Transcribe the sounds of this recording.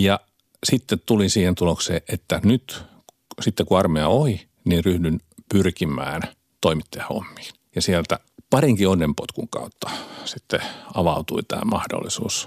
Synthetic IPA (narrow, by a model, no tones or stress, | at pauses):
jɑ | sit̪ːet̪ulisiːhent̪ulokseːʔet̪ːænyt̪ | sit̪ːekuɑrmeɑohi | ninryhdynpyrkimˑæ̰ːn | t̪oimit̪ːeɑho̰mːi̥ːnjɑsiælt̪æ | pɑriŋkionːempot̪kuŋkɑ̰ut̪ːɑ̥sit̪ːeɑʋɑut̪uit̪æ̰ːmɑhdo̰lːisṵːs